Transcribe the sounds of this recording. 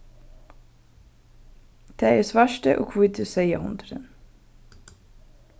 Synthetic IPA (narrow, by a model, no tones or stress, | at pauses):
d̪̥eːeːsʋæʃʈə̰ʔo̰ːkʰʋʊɪt̪ʰəsœɪɑhʊnd̪ɾə̰n